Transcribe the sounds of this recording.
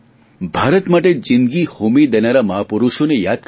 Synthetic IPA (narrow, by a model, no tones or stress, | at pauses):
bʱaːɾət̪maʈed͡ʒind̪ɡihumid̪enaɾaməɦapuɾuʃonejad̪̚k